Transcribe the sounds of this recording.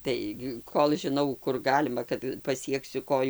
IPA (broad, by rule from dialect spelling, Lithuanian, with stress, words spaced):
ˈtɐɪ ɡʲɪ ˈkoːlˠ ʒʲɪˈnɐʊ ˈkʊr ˈɡɑːlʲɪmɐ kɐt pɐˈsʲiɛksʲʊ ˈkoːjʊ